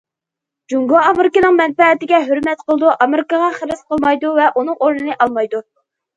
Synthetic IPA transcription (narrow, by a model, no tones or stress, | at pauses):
d͡ʒuŋɡɑɑmɪɾɪkɨnɨŋmɛnpɛt̪ɪɡʲɛɦyɾmɛt̪qʰəlˠɨd̪uʔɑmɪɾɪkɑʁɑχəɾɨsqʰəlˠmɑjd̪uvɛʔunɨŋoɾnɨnɨʔɑlˠmɑjd̪u